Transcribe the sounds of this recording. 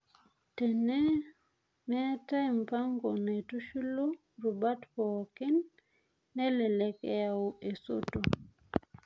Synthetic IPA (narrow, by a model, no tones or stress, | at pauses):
tɛnɛ | mɛtaimpaŋɡɔnatuʃulɔ | ɾubatpɔkinː | ɛlɛlɛkɛ̰jawuʔɛso̰to